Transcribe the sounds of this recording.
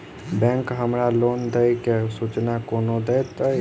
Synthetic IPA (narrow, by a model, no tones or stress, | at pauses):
bɛ̃ŋkɦəmɾalond̪əjkesut͡ʃnakonod̪ɛjt̪ə